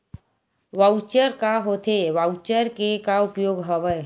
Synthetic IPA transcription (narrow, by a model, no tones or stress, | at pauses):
ʋat͡ʃəɾkaɦot̪ʰeʋawt͡ʃəɾkekaʊpjoːɡɦəʋə